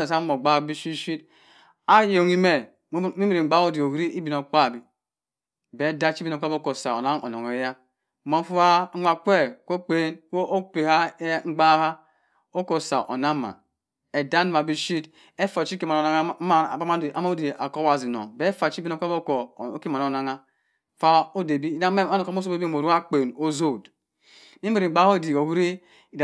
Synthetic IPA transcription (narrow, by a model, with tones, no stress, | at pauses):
e˨sa˦mo˨ɡ͡ba˦˨˦bi˦ʃi˦ʃi˦t | a˦jo˨ŋi˦me˨˦ | mi˦mi˦ɾi˨ɡ͡ba˦o˦di˨o˨wɾi˦ʔi˦bi˨n˨o˨k͡pa˦˨bi˨ | be˨˦da˦t͡ʃi˦bi˦n˨o˨k͡pbo˦ko˨sa˨o̰˨na˦ŋo̰˨no̰˨ŋe˨˦ja˦ | mo˨˦fu˦a˦ŋʷa˨k͡pʷe˦kʷo˦k͡pe˦nwo˦ʔo˦k͡pe˨ha˦ŋ͡m̩˦ɡ͡ba˦ha˦ | o˦ko˨sa̰˨ʔo̰˨na˦ma̰˨ | e˨da˦n˦ma˨bi˦ʃi˦t | e˦fa˨t͡ʃi˦e˦˨ma˨no˨na˦ŋ˦˨a˦ma˦˨a˦m˦de˨a̰˨ko˦wa˨zi˨no̰˨be˦fa˨t͡ʃi˦be˦no˦a˦bo˦ko˨˦ke˦ma˨o˨na˦ŋa˦ | fa˦o˦de˨bi˦a˦n˨ko˦m˦o˦so˦e˦bi˦˨o˨ɾu˦a˦k͡pe˨no˦zo˦˨d | mi˦i˦ɾi˨ɡ͡ba˦ho˦˨di˨o˨hu˦ɾi˦ | i˨d